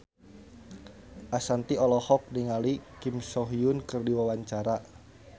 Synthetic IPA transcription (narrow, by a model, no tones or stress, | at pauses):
ʔasant̪iɔlɔhɔk̚niŋalikimsɔɦiʊnkɨrdiwawaɲt͡ʃaɾa